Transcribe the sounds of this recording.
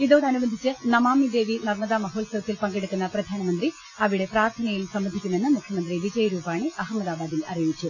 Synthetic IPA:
iðoːɽɐnubɐnd̪ʱit͡ɕːɨnɐmaːmid̪e̞ːʋinɐrmɐðɐmɐɦoːɭsɐɾɐt̪ːilpɐŋɡeɽukːunːɐprɐd̪ʱaːnɐmɐnd̪ri | ɐʋiɽe̞praːrt̪ʰɐnɐjilsɐmbɐnd̪ʱikʲːume̞nːɨmukʰjɐmɐnd̪riʋid͡ʑɐjɐɾuːbaːɳɨɐɦɐmːɐðaːbaːd̪ilɐrijoːit͡ɕːu

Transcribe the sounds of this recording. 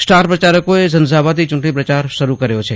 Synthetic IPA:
sʈaːɾpɾət͡ʃaːɾəkoezənzaːbad̪it͡ʃʊɳʈɳipɾɐt͡ʃaːɾʃɐɾukəɾjot͡ʃʰe

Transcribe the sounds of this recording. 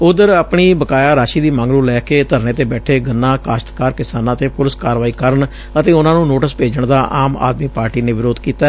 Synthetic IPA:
ʊd̪əɾaːpɳiːbəkaːjaːɾaːʃiːd̪iːmãːŋɡluːlɛːkeːt̪əɾnẽːt̪eːbɛːʈʰeːɡənːãːkaːʃət̪kaːɾkɪsaːnãːt̪eːpʊlɪskaːɾʋaːiːkəɾəɳ | ət̪eːʊnãːnũːnoːʈəspeːd͡ʒəɳd̪aːʔaːma̰ːd̪miːpaːɾʈiːnẽːʋɪɾoːd̪kiːt̪aɛ

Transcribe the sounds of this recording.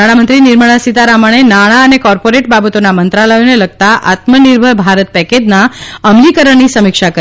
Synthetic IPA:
aɽ̃amənt̪ɾinɪɾməɭ̃asit̪aɾaməɽ̃enaɽ̃aənekɔɾpoɾeʈ̚babət̪onamənt̪ɾaləjoneləɡ̚t̪aʔa̰t̪məniɾbʱəɾbʱaɾət̪̚pɛked͡ʒnaəmlikəɾəɳnisəmɪkʃakə

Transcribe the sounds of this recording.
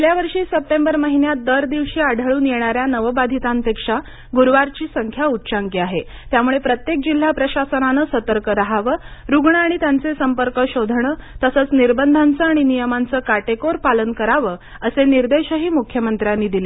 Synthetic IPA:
ljaʋəɾʂiːsəp̚ʈembəɾməɦinjat̪̚d̪əɾd̪iʋɕiːaɽ̤ʱəɭuːnjeɳ̃aɾjanəʋəbad̪ʱit̪anp̪ekʂa | ɡuɾʋaɾt͡ɕiːsəŋkʰjaut̪ːɕaŋkiaɦe | t̪jamuɭepɾət̪jek̚d͡ʑil̤ːapɾəɕasənanəsət̪əɾkəɾaɦaʋəɾuɡɳəaɽ̃it̪jant͡sesəmpəɾkəɕod̪ʱɳ̃ət̪əsət͡sniɾbənd̪ʱant͡səaɽ̃inijəmant͡səːkaʈekoɾpalənkəɾaʋəː | əseniɾd̪eɕəɦiːmukʰjəmənt̪ɾjanːiːd̪ile

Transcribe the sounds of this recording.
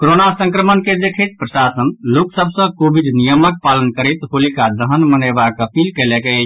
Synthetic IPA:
koɾonasə̃ŋkɾəmənked̪ekʰet̪̚pɾəsasənloksəbʱsə̃kobid̪nijəmək̚palənkəɾet̪ɦolikad̪əɦənmənəjbakəpilkeleke

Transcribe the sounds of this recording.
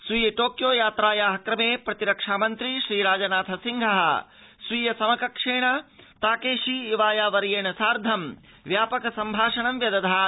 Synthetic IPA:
sʋijɐʈoːkjoːjaːt̪ɾaːjaːɦɐkɾɐmeːpɾɐt̪iɾɐkʂaːmɐnt̪ɾiʃɾiːɾaːd͡ʒɐnaːt̪ʰɐsiŋɡʱɐɦɐ̆ | sʋiːjɐsɐmɐkɐkʂeːɳɐt̪aːkeːʂiːʋaːjaːʋɐɾjeːɳɐsaːɾd̪ʱɐm | ʋjaːpɐkɐsɐmbʱaːʂɐɳɐmjɐd̪ɐd̪ʱaː

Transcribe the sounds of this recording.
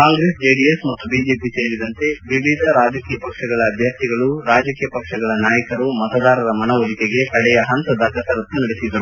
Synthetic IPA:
kaːŋɡɾeːsd͡ʒeːɖijesmɐt̪ːubiːd͡ʒeːpiselid̪ɐnt̪e̞ʋiʋid̪ʱɐɾaːd͡ʒɐkiːjɐpɐkʂɐɡɐɭɐːbʱjɐɾt̪iɡɐɭuɾaːd͡ʒɐkijɐpɐkʂɐɡɐɭɐnaːjɐkɐɾumɐt̪ɐd̪aːɾɐɾɐmɐnɐʋɐɦik̪eɡekɐɽɛjɐɦɐnt̪ɐd̪ʱɐːkɐsɐɾɐt̪ːunɐɽesid̪ːɐɾu

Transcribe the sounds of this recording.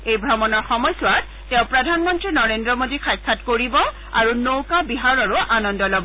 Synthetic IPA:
ejbʱɹɔmɔnɔɹxɔmɔjsʊat | tɛ̃ʊ̃pɹɔdʱanmɔntɹinɔɹendɹɔmodixʰajkʰːatkoɹibɔ | a̰ɹunowkabiɦaɹɔɹʊʔanɔndɔlɔbɔ

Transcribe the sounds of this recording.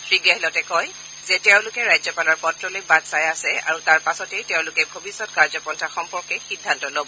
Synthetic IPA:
tʰɹiɡɛɦɛlɔtɛkɔj | zɛtɛʊ̃lʊkɛɹajzɔpalɔɹpɔtɹɔlojbadsajasɛa̰ɹutaɹpasɔtejtɛʊ̃lʊkɛbʱobisːɔt̚kaɹzɔpɔntʰaxɔmpɔɹkɛxidʱːantɔlobɔ

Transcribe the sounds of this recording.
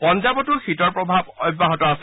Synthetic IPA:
pɔnd͡ʒabɔtʊxitɔɹpɹɔbʱabɔjbaɦɔtɔasɛ

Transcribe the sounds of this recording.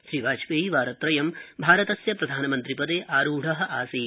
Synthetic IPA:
ʃɾiʋaːt͡ʃʋeːiʋaːɾɐt̪ɾɐjɐmbʱaːɾɐt̪ɐsjɐpɾɐd̪ʱaːnɐmɐnt̪ɾipɐd̪eːʔaːɾuːɖʱɐɦɐ̆ʔaːsi

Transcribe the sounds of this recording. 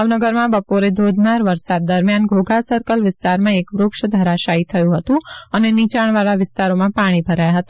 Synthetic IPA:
ʋnəɡəɾmãbəpoɾed̪ʱod̪ʱnaɾʋəɾsad̪ːəɾmjanɡʱoɡʱasəɾkəlʋɪst̪aɾmãekʋɾʊkʃəd̪ʱəɾaʃait̪ʰəjũɦət̪ũənenit͡ʃaɳ̃ʋaɾaʋɪst̪aɾomãpaɽ̃ibʱəɾajaɦət̪a

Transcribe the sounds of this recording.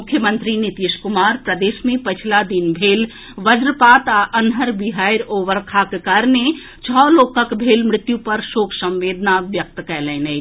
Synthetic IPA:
mʊkʰːjəmə̃nt̪ɾinit̪iʃkʊmaːɾpɾəd̪eːʃmẽpɐt͡ʃʰlad̪inbʱeːl | ʋəd͡ʒɾəpaːt̪aʔənɦəɾbɪɦaːjɾoːʋəɾkʰakekaɾne | t͡ʃʰɔːloːkəkbʱeːlmɾɪt̪jũpɐɾʃoːkʰsə̃mʋeːd̪naʋjək̚t̪kɛːlẽnə

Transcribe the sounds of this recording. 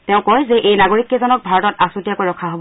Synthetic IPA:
tɛʊ̃kɔjzɛʔejnaɡoɹikːezɔnɔk̚bʱaɹɔtɔtasutiakojɹɔkʰaɦob

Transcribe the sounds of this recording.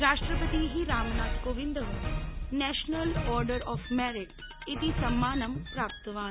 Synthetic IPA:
ɾaːʃʈɾəpət̪iɦiɾaːmnaːt̪koːʋɪ̃nd̪ɦõːnɛːʃnəlɔːɾɖəɾɔːfmɛːɾɪʈ | ɪt̪isɐmːaːnɐmpɾaːp̚t̪ʋaː

